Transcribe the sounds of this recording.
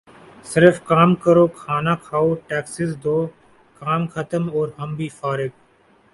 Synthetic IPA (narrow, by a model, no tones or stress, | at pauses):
sɪɾfkaːmkəɾoːkʰaːnaːkʰaːoːʈɛːksɪsd̪ʱoː | kaːmkʰət̪əmoːɾɦəmbʱiːfaːɾɪɡ